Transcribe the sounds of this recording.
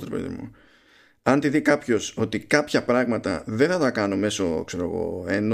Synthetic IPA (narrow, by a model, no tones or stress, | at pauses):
t̪ɾpḛðḭmṵ | ɐnt̪iðikɐpço̞so̞t̪ikɐpçɐpɾɐɣmɐt̪ɐ̰ðenθɐt̪ɐkɐno̞me̞so̞̰kse̞ɾo̞ɣo̞̰en